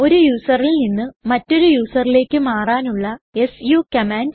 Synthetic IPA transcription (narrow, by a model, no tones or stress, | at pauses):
o̞ɾujuːsɐrilninːɨmɐtːo̞ɾujuːsɐrile̞ːkːɨmaːraːnuɭːɐe̞sjukɐmaːn